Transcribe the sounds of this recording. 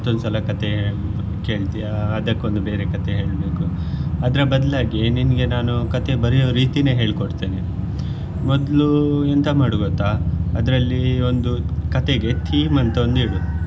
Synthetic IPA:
t̪ːond̪usɐlɐkɐt̪e | ke̞ːɭt̪ijaːd̪ɐkːo̞nd̪ube̞ːɾe̞kɐt̪eɦe̞ːɭbe̞ːku | ɐd̪ɾɐbɐd̪laːɡieninɡe̞naːnukɐt̪e̞bɐɾijoːɾiːt̪ine̞ːɦe̞ːɭkoɽt̪iːne | mɔd̪luent̪ɐmaːɽuɡot̪ːaɐd̪ɾɐlːio̞nd̪ukɐt̪eɡe̞t̪ʰiːmɐnt̪ɐond̪iɽu

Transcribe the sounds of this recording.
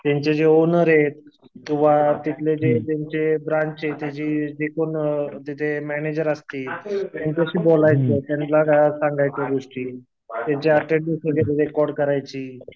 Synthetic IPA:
t̪jãɲt͡ɕed͡ʑeonəɾɦet̪̚ː | ũʋ̤at̪it̪led͡ʑet̪jaɲt͡ɕebɾãɲt͡ɕɦet̪jat͡ɕiːd͡ʑekont̪it̪ʰemɛned͡ʑəɾəst̪iːt̪ant̪aɕiːbolajt͡set̪jant̪laɡasãŋɡajt͡ɕjaɡoʂʈiː | t̪jaɲt͡ɕeəʈeʈ̚d̪isəɡeled̪ekɔɽkəɾajt͡ɕiː

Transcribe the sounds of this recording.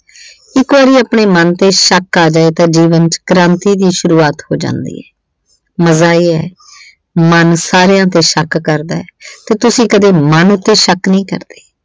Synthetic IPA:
ɪkʋaːɾiːaːpɳeːmənt̪eːʃəkːaːd͡ʒaːeːt̪ãːd͡ʒiːʋənt͡ʃkəɾãːnt̪iːd̪iːʃʊɾuːaːt̪ho̰ːd͡ʒã̰ːnd̪ḭːɛː | məzaːiːɛː | mənsaːɾejãːt̪eːʃəkːəɾd̪aːɛːt̪eːt̪ʊsĩːkəd̪eːmənʊt̪ːeːʃəknəĩːkə̰ɾd̪̥e̥ː

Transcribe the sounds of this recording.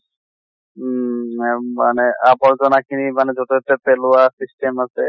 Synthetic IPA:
maneapɔɾzɔnakʰinimanezoʈɔtepelʊasisʈemasʰɛ

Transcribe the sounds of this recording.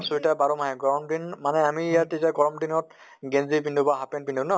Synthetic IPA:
suitabaɹɔmaɦɛɡɔɹɔmdinmanɛamiːjatitaɡɔɹɔmdinɔt | ɡenzipindubaɦapɛnpindubnɔ

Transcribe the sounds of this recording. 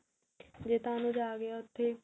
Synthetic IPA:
d͡ʒeːt̪ãːnũːd͡ʒaːɡeaʊt̪ʰːeː

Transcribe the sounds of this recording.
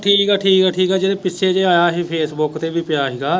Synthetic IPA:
ʈʰiːkikaːʈʰiːkɦɛːʈʰiːkɛːd͡ʒɪd̪ẽpɪʃʰed͡ʒeaːjaɦipʰeːsbʊkt̪ebʱipjaːɦiɡaː

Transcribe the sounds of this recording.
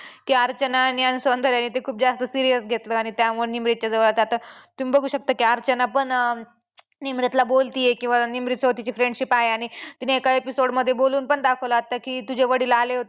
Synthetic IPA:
kiːaɾt͡ɕənanjansond̪ʱəɾjanːit̪̬ekʰuːp̚d͡zast̪əsiɾijəsɡʱet̪ləaɽ̃it̪jamuɭnimɾit̪̚t͡ɕjad͡zəʋəɭat̪at̪at̪umibəɡʱuːɕək̚t̪əkiaɾt͡ɕənapəɳ | nimɾit̪labolt̪iːjekĩw̃ʋanimɾit̪sət̪it͡ɕifɾẽɳɖɕipaɦeaɽ̃it̪iniekaepisoɽməd̪ʱːjeboluːnpəɳd̪akʰəʋlaat̪ːəkiːt̪ud͡ʑʱeʋəɽiːlaleɦot̪e

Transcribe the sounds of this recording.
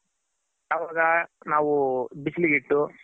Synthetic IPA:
ɐʋaːɡɐnaːʋubisliɡiʈːu

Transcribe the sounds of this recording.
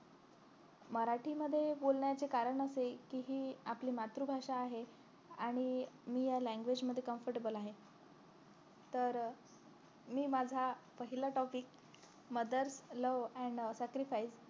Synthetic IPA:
məɾaʈʰiːməd̪ʱːjebolɳjat͡sekaɾəɳəsekiːɦiːapliːmat̪ɾubʱaʂaːɦe | aɽ̃imiːjalæ̃ŋɡʋed͡ʑməd̪ʱːjekəmfəɾʈebəlaɦe | t̪əɾ | miːmad͡zʱapəɦilaʈɔpiːk̚ | məd̪əɾsləʋɛ̃ɳɖsækɾifais

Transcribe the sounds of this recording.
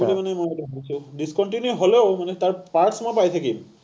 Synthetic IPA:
ulimanɛmojetuɦojsʊ̃diskɔntinjuɦoleʊmanɛtaɹpaɹtsmɔjpajtʰakḭm

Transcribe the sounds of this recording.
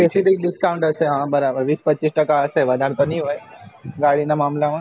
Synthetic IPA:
kesid̪ik̚ɖɪskawɳʈəseɦãbəɾabəɾʋiːspətːt͡ʃisʈəkaəseʋəd̪ʱaɽ̃t̪oniɦojɡaɽinamamlamə

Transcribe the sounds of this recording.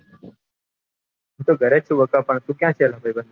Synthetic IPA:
ɦũt̪oɡʱəɾet͡ʃʰũʋəkapəɳt̪ũkjãʃelãbʱajbənd̪u

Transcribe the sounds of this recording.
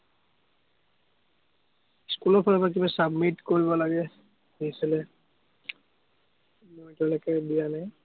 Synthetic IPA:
skulɔɹpʰɔlabak̬ibasabmitkoɹibɔlaɡɛ | nisilɛ | mojtɔlɔkɛbijanaj

